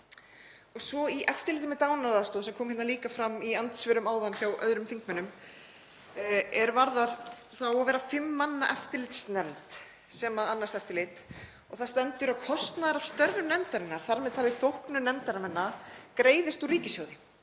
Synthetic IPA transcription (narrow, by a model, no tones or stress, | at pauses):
ɔɣsvɔiʔɛft̪ɪlɪjt̪ɪmɛt̪aːwnaɾaːst̪oːðsɛmkʰɔːmhɪt̪naliːkafɾamiant̪svɪɾʏmaːwðançawʔœ̰ðɾʏmθiŋkmɛnːʏm | ɛɾvaɾðaɾ̥θawavɛːɾafɪmːanːaʔɛft̪ɪɾlɪjt̪snɛmt̪ | sɛmaanːast̪ɛft̪ɪlejt̪ | ɔɣθast̪ɛnt̪ʏɾawkʰɔst̪naðaɾav̥st̪œɾðʏnɛmt̪aɾɪnːaɾ̥θaɾmɛðt̪ʰalɪθowhknʏnɛmt̪aɾamɛnːakɾeːjðɪst̪uɾiːcɪsjɔwðɪ